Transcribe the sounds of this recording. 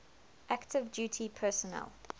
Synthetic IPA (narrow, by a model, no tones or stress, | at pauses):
ʔæktɪvdjuːtʰipʰɜːˑsɔnɛ̰l